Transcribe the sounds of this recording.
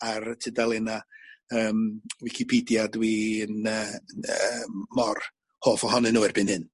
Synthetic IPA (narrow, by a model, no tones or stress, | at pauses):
artʰɪdalˠɪnaəːmwɪkʰɪpʰiːdjadwiənəəmːɔr | hoːfɔhɔnɛnuːɪrb̥ɪnhɨn